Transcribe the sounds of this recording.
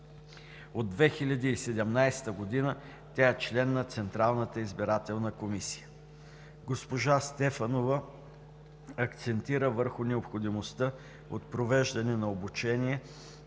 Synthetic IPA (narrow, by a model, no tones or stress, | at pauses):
od̪ːvɛxilʲɐd̪iːsɛd̪ɛmnajst̪əɡod̪inə | t̪ʲaɛt͡ʃlɛnːɐt̪sɛnt̪ɾalˠnət̪əizbiɾat̪ɛlˠnəkomisi̥jə | ɡospoʒast̪ɛfɐnovə | ɐkt̪sɛnt̪iɾəvəɾxʊnɛopxod̪imost̪ə | o̰t̪̚pɾovɛʒd̪ɐnɛnɐobut͡ʃɛniɛ